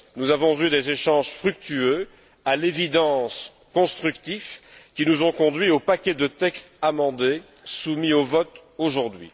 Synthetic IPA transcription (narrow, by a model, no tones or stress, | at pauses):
nuzavɔ̃zyd̪ezeʃɑ̃ʒfχyk̚t̪yø | alevid̪ɑ̃s | kɔ̃st̪χykt̪ifkʲinuzɔ̃kɔ̃d̪ɥiopakʲɛd̪ət̪ɛkst̪amɑ̃d̪e | sumiovɔt̪ | oʒuʁd̪ɥḭ